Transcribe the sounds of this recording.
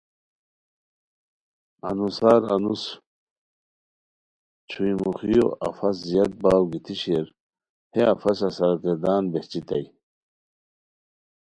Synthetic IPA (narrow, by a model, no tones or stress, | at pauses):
a̰nusaːɾa̰nus | t͡ɕʰujmuχijo̰ʔɐfɐs̬zijat̪̚baːwɡit̪ʰiɕeɾ | heafɐsɐsaɾɡəɾd̪aːnbeht͡ɕit̪ɐj